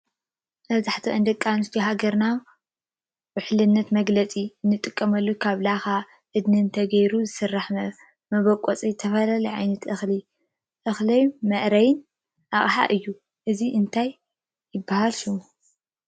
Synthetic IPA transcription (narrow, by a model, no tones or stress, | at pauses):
mɐβzaħt̪ʰiʔɐnd̪ɐkʼːanɨst̪ʰiɦaɡɐɾna | wʊħlɨnːɐt̪mɐɡlɐt͡sʼiɨnːɨt̪ʼɨkʼːɐmɐlːukʰaβlaxa | ʔɨd̪nɨnt̪ʰɐɡɐjɾuzɨsɨrːaħ | mɐβɐkʼot͡sʼit̪ʰɐfɐlalɐʕa̰jnɐt̪ʔɨxli | ʔɨxlɐjmɐʔɾɐjn | ʔaχʼħa̰ʔɨjːu | ʔɨziʔɨnt̪ʰajː | ɪbːahalʃum